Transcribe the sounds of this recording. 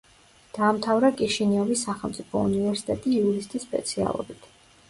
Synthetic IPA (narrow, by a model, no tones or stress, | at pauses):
d̪̥aːmt̪ʰavɾakʼiʃiniɔvisːaχɛlˠmt̪sʼipʰɔṵnivɛɾsi̥t̪ʼɛt̪ʼiːuɾist̪ʼisːpʼɛ̰t̪sʰia̰lˠɔ̰bit̪ʰ